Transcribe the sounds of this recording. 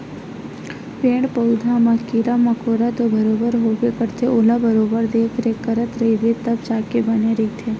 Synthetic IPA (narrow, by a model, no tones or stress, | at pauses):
pẽːɽpəʊd̪ʱamãkiɾamɐkoːɾat̪obəɾoːbəɾɦoːbekəɾt̪ʰeoːlabəɾoːbəɾd̪eːkʰɾekəɾət̪ɾəɦiʋet̪əbt͡ʃaːkebəneɾeit̪ʰe